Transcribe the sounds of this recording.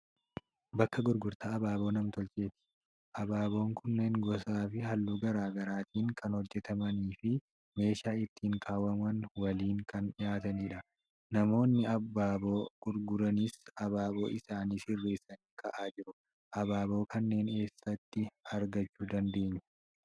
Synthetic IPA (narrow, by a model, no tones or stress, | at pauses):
bɐkːɐɡʊɾɡʊɾt̪aːɐbaːbo̞ːnɐmt̪ɔlt͡ʃe̞ːt̪ɪ̥ | ʔɐbaːbo̞ːŋkʊnːeŋɡɔsaːfɪɦɐlːuːɡɐɾaːɡɐɾaːt̪ʰiːŋkɐnhɔd͡ʒːɛt̪ɐmɐniːfɪ | me̞ːʃaːɪt̪ːiːŋkʰaːwɐmɐnwɐliːŋkɐnᶑɪjaːt̪ɐniːᶑɐ | nɐmo̞ːnːɪɐbːaːbo̞ːɡ̥ʊɾɡʊɾɐnɪsɐbaːbo̞̰ːʔɪsaːniːsɪrːe̞ːsːɐniːkɐʔaːd͡ʒɪɾʊ | ʔɐbaːbo̞ːkɐnːe̞ːne̞ːsːɐt̪ːɪɐɾɡɐt͡ʃːuːd̪ɐnd̪e̞ːɲːɛ̥